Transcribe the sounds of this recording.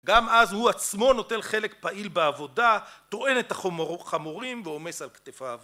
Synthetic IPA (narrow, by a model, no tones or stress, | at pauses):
ɡamazhuat͡smo̞no̞te̞nχe̞le̞kpaʔilbeavo̞dat̪o̞ʔe̞ne̞taχamoʁimveo̞me̞salktefav